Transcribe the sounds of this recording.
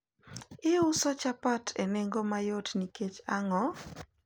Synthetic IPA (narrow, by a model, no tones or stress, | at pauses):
ɪʊsɔt͡ʃapatʰeneŋɡomajotniket͡ʃaŋɔ